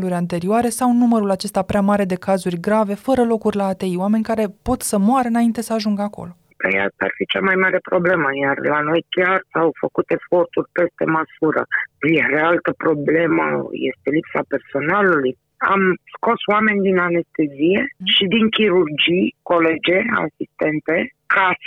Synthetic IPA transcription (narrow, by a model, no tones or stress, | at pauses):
luɾʲant̪e̞ɾioaɾe̞sawnuməɾulat͡ʃe̞st̪apɾeamaɾe̞d̪e̞kazurʲɡɾave̞fəɾəlo̞kurʲlaːt̪e̞ioame̞nʲkaɾe̞po̞t̪səmoaɾəɨnaint̪e̞səaʒuŋɡəako̞̰lo̞ | p̪ejaa̰rfit͡ʃamajmaɾe̞pɾo̞ble̞məjarlano̞jkʲarawfəkut̪e̞sfo̞rt̪urʲpe̞st̪e̞məsuɾə̰jeɾealt̪əpɾo̞ble̞mə̰jḛst̪e̞lipsape̞rso̞naluluj | a̰msko̞swame̞nʲd̪inane̞st̪e̞zije̞ʃid̪iŋkʲiɾurd͡ʒijko̞le̞d͡ʒe̞a̰sist̪e̞nt̪e̞ | kas